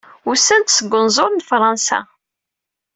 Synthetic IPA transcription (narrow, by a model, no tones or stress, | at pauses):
ʊsæld̪səɡʷːənzˤoɾˤnfɾˤɑnsæ̰